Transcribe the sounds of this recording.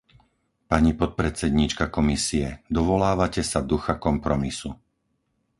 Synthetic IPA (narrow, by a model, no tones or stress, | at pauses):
paɲipɔt̪̚pɾɛt͡sɛd̪ɲit͡ʃkakɔmisiɛd̪ɔʋɔlaːʋacɛsad̪uxakɔmpɾɔmisu